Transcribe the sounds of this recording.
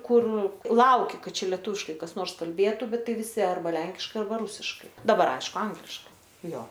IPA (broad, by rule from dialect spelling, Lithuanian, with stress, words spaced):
ˈkʊr ˈlˠɐʊkʲɪ ˈkɐt ˈt͡ʃʲɛ lʲɛˈtuːʋʲɪʃkɐɪ ˈkɐs ˈnoːrs kɐlʲˈbʲeːtʊ ˈbʲɛt ˈtɐɪ ʋʲɪˈsʲɪ ɐrˈbɐ ˈlʲɛŋʲkʲɪʃkɐɪ ɐrˈbɐ ˈrʊsʲɪʃkɐɪ dɐˈbɐr ˈɐɪʃkʊ ˈɐŋɡlʲɪʃkɐɪ ˈjoː